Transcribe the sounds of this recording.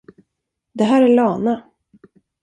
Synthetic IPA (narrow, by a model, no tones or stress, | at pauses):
d̪ɛɦæːɾæɭɑːna